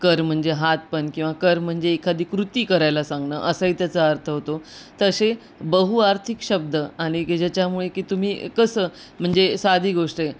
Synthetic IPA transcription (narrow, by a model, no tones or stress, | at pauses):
kəɾm̤əɳd͡zeɦat̪̚pəɳkĩw̃ʋakəɾm̤əɳd͡zeːkʰad̪iːkɾut̪iːkəɾajlasãŋɡɳə̰ʔəsəit̪jat͡səəɾt̪ʰəɦot̪ot̪əse | bəɦuaɾt̪ʰikɕəb̚d̪əaɽ̃id͡ʑat͡ɕjamuɭekiːt̪um̤iːkəsəː | m̤əɳd͡zesad̪ʱiːɡoʂʈe